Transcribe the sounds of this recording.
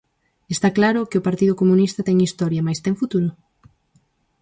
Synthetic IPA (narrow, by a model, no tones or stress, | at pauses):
est̪aklaɾʊkɪopaɾt̪iðʊkomunist̪ɐt̪ɛŋist̪ɔɾjɐmajst̪ɛŋfut̪uɾʊ